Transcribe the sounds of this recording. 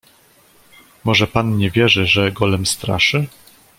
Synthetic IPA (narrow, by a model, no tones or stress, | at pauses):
mɔʐɛpanɲɛvʲjɛʐɛʐɛɡɔlɛmst̪ɾa̰ʂɘ